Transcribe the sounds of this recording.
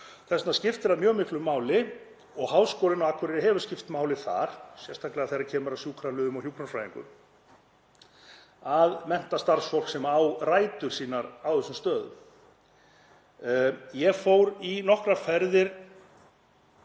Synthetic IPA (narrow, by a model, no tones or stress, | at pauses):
θɛsnascɪft̪ɪɾaðmjœːɣmɪhklʏmːaːwlɪ | ɔɣɦaːwskɔːlɪnaakʰʏɾɪɾɦɛvʏ̥scɪft̪maːwlɪθa̰ɾ̥sjɛst̪ʰaklɪɣaθejɾacʰɛːmʏɾasjuːkʰɾalʏːðʏmɔɣhjuːkʰɾanfɾaːjðiŋkʏ̰m | aðmɛn̥t̪ast̪aɾsfɔwl̥ksɛmawraːjt̪ʏɾ̥siːnaɾawθɛsːʏmst̪œːðʏ | jɛɣfowɾinɔhkɾafɛɾðɪɾ̥